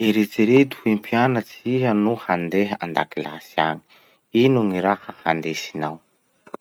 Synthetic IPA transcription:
eɾet͡siɾet̪u̥himpʰianət͡siɦənuhand̪eɦəand̪a̰kilasia̰ŋi̥ | inuŋiɾahəhand̪esi̥naw

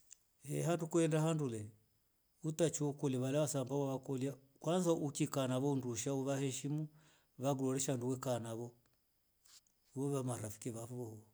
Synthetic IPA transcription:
ɛ̰ɦandukuɛndahandulɛ | utat͡ʃiɔkɔlaβalaβasambawaβakɔlia | kwanzaʔukikanaβɔunduʃauβahɛʃimu | βaɡulɔɾɛʃanduwɛkanaβɔ | βɔβamaɾafi̥kiβafɔh

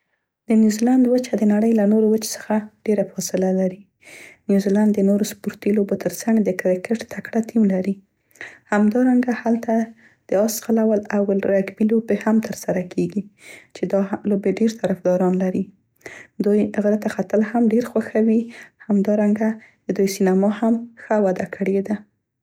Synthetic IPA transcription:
d̪̥ənjuziland̪wət͡ʃad̪ənaɽəjlanoɾowət͡ʃe̥sə̥xaɖ̥eɾafɔsɪlalaɾi | njuziland̪ːənoɾospuɾt̪ilobot̪ʰəɾt͡saŋɡd̪əkɾɪkeʈt̪ʰakɽat̪ʰimlaɾi | hamd̪ɑɾaŋɡahalt̪a | d̪̥əɑsqalawalawlɾaɡbilobehamt̪ʰəɾsaɾakʰeɡit͡ʃed̪ɑlobeɖeɾt̪aɾafd̪ɑɾɑnlaɾi | d̪ujɣəɾat̪axat̪əlhamɖeɾxwaxawihamd̪ɑɾaŋɡad̪̥əd̪ujsinamɑhamxəwad̪akʰəɽed̪a

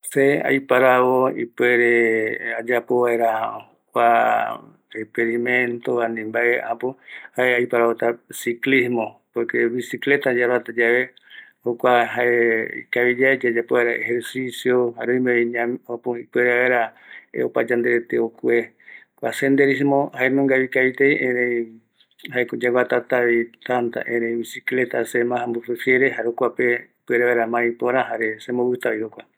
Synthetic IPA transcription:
sea̰jpaɾaβoḭpweɾead͡ʒapoβaeɾahokʷa | ekpeɾimẽnt̪oβanĩmbaeapohaeajpaɾaβot̪asiklismopoɾkeβisiklet̪ad͡ʒaɾat̪ad͡ʒaβe | hokʷaɦaeḭkaβid͡ʒaed͡ʒad͡ʒapoβaeɾaḛheɾsisjoɦaɾoĩmẽeɲãmopõipweɾaβeɾaḛo̰pad͡ʒãnd̪eɾet̪eokue | kʷa̰send̪eɾisimõhaenõŋɡaβikaβit̪ejʔẽɾẽĩ | haekod͡ʒawat̪at̪aβit̪ant̪a̰ʔẽɾẽĩbisiklet̪asemãhãmbufefjeɾeɦaɾokʷape | pɨeɾaβeɾamãĩpoɾãɦaɾesemoβɨt̪aβihokʷa

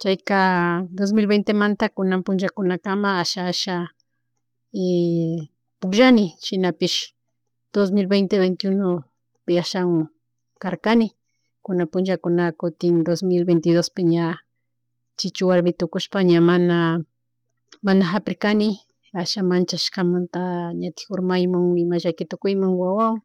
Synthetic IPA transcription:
t͡ʃajkad̪os̬milbejnt̪emant̪akʊnampʊnʒakʊnakamaaʃaaʃa | e | pʊkʒanɪʃɪnapɪʃ | d̪̥os̬milbejnt̪eβejnt̪ɪjuno | pɪaʃaŋ | kaɾkanɪ | kʊnapʊnʒakʊnakʊt̪ɪnd̪osmɪlbejnt̪ɪdospɪɲa | t͡ʃɪt͡ʃʊwaɾmɪt̪ʊkʊʃpaɲamana | manaɦapɾɪkanɪ | aʃamant͡ʃaʃkamant̪aɲat̪ɪ̥xoɾmajmoŋmɪmaʒakɪt̪ʊkʊjmaŋwawaw

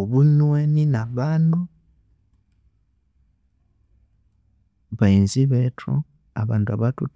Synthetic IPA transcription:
oβunweninaβaːndu | βainziβetʰo̰ | a̰βaːnduaβatṵt

